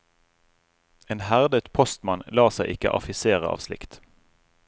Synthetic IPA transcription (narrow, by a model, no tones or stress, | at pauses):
eːnhæʁd̪ət̪pʰɔst̪mɑnlɑːsæɪʔɪkə̰ʔɑ̰fɪseːʁəʔɑ̰ːʋslɪ̰kt̪